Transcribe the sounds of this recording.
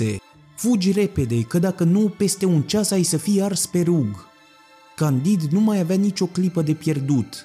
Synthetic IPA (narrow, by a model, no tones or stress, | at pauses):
e | fud͡ʒʲre̞pe̞d̪e̞kəd̪akənupe̞st̪e̞unt͡ʃasajsəfijarspe̞ɾuɡ | kand̪id̪numajaveanit͡ʃʲo̞klipəd̪e̞pje̞rd̪ut̪